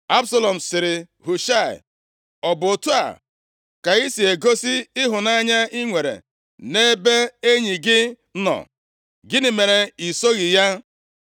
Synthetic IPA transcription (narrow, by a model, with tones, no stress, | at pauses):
a˦bsa˦lɔ˨m̩˨sɪ˨ɾɪ˨ | ɦu˨ʃa˦˨ɪ̰˨ | ɔ˨bʊ˨o˨tu˦a̰˨ | ka˨i˦si˨e˨ɡo˦si˦ɪ˦ɦʊ˨na˦ɲa˦i˦ŋʷe˨ɾḛ˨ | ne˦be˦e˦ɲi˨ɡɪ˦ | nɔ̰˨ | ɡɪ˦nɪ˨me˨ɾe˨i˨so˦ɣɪ˨ja˦